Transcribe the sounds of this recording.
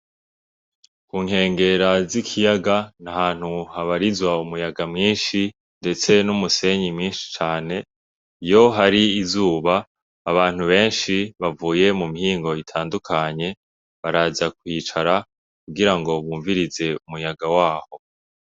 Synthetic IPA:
kuŋhe̞ːŋɡe̞ɾazikʰijaɡanahaːn̥huhaβaɾizwaumujaɡamŋiːnʃi | nde̞t͡se̞numuse̞ɲimɲiːnʃi̥t͡ʃaːne̞ | ijo̞ɦaɾiːzuːβaː | βaːn̥huβe̞ːnʃiβavuːje̞mumihiːŋɡo̞itʰaːndukʰaɲe̞ | βaɾazakwiːt͡ʃaɾa | kuɡiɾaŋɡo̞βuːɱviɾize̞umujaɡawaːho̞

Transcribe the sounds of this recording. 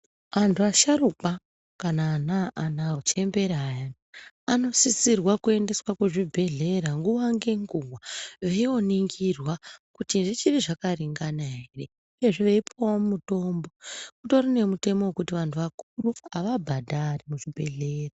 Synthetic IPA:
ʋantʰuaʃaɾuka | kanaːnaʔanaot͡ʃe̞mbe̞ɾaːja | ano̞sisirwakue̞nde̞swakuʐibʱe̞ɮe̞ɾaŋɡuʋaŋɡe̞ŋɡuɡwaʋeio̞niŋɡirwakutiʐit͡ʃiriʐakariŋɡanaɦere̞ | jeʐiʋeipoomumuto̞mbo̞kuto̞ɾine̞mute̞mowekutiʋantʰuʋakuruaʋabʱadʱarimuʐibʱe̞ɮe̞ːra

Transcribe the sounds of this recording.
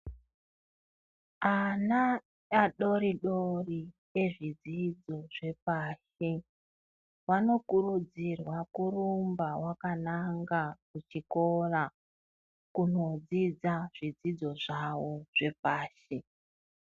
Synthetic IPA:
ana | aɗo̞ɾiɗori | e̞ʐid͡zid͡zo̞ʐe̞paːʃi | wano̞kurud͡zirwakurumbawakanaŋɡakut͡ʃiko̞ra | kuno̞d͡zid͡zaʐ̥id͡zid͡zo̞ʐawoʐ̥e̞paːʃi

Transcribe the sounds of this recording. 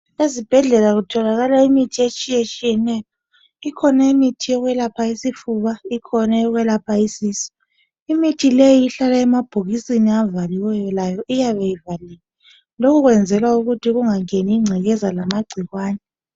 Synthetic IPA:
ezib̥ʱɛɮɛlaɣutʰɔlaɣalaimitʰiet͡ʃʼijet͡ʃʼijɛnɛːjɔ | ikʰɔnaimitʰijɔɣwɛlapʰaisifuβaikʰɔnɛɔɣwɛlapʰaisiːsɔ̥ | imitʰilejiːɬalaɛmab̥ʱoɣisiniavaliwɛjɔlajɔʔijaβejivalilɛ | lokʰuɣwɛnd͡zʱɛlwauɣutʰiɣuŋaŋeniːŋ͡ǀʱɛɣɛzalamaɡ͡ǀʱiɣwaːnɛ

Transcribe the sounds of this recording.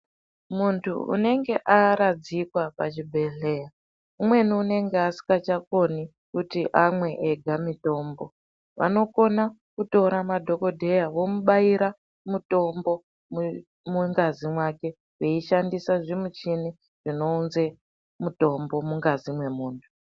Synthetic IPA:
muntʰṵṵne̞ŋɡe̞ʔaɾad͡zikwapat͡ʃibʱe̞ɮe̞ːja | umwe̞niune̞ŋɡeasi̥kat͡ʃako̞ni | kutiʔamwe̞ʔeɡʱamito̞ːmbo̞ | ʋa̰no̞ko̞nakuto̞ɾamadʱo̞ko̞dʱe̞jawo̞muɓaiɾa | muto̞mbo̞ | muŋɡazimwake̞ | weiʃandisaʐimut͡ʃini | ʐ̥ino̞unze | muto̞mbo̞muŋɡazimwe̞muːntʰu̥

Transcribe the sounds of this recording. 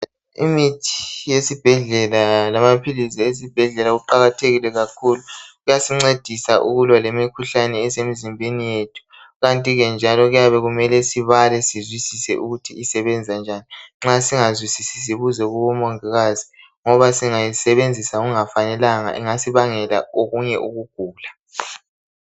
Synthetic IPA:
ḭmitʰi̥jesib̥ʱɛɮɛlalamapʰiliziesib̥ʱɛɮɛlaɣuǃaɣatʰeɣilɛɣakʰuluɣujasiŋ͡ǀed̥ʱisaʔṵɣulwalemikʰuɬanɛːsemizimbʱenijetʰu̥ | ɣantʼiɣɛnd͡ʒʱalɔɣujaβɛɣumɛlɛsiβalɛsizwisisɛ̰ʔuɣutʰiisɛβɛnd͡zʱand͡ʒʱaniŋ͡ǁasiŋazwisisis̬iβuzɛɣuβɔmɔŋiɣazi | ŋɔβasiŋajisɛβend͡zʱisauɣuŋafanɛlaŋa̰ʔɛŋasiβaŋɛla̰oɣuɲɛʔuɣuɡ̥ʱuːla

